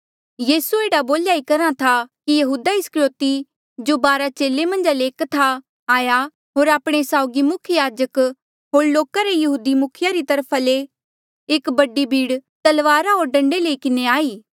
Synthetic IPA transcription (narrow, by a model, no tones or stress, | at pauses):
jiːsueːɽaboːljaːikɐɾãt̪ʰakijɐɦuːd̪aɪskɾjoːt̪i | d͡ʒobaːɾat͡ʃeːlemɐ̃nd͡ʒaleːkt̪ʰa | aːja | ɦoːɾaːpɽ̃esaːʊɡimʊkʰjəjaːd͡ʒək | ɦoːɽloːkaɾejɐɦuːd̪imʊkʰɪjaɾit̪ɐɾpʰale | eːkbɐɖibʱiːɽt̪ɐlʋaːɾaɦoːɾɖɐ̃ɳɖelekɪneaːiː